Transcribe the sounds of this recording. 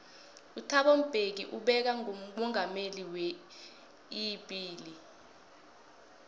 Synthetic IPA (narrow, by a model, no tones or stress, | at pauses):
utʰaɓom̩b̥ʱek̬ḭʔuɓɛk̬aŋom̩mɔŋameliwɛ | iɓiːli